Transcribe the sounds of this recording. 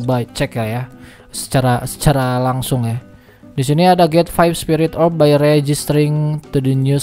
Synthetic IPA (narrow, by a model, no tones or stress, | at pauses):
bat͡ʃɛkaja | sə̥t͡ʃaɾasə̥t͡ʃaɾalaŋsʊŋja | dis̬iniadaɡɛt̪fajfspiɾɪt̪ɔbajɾed͡ʒist̪ɾɪŋt̪udinu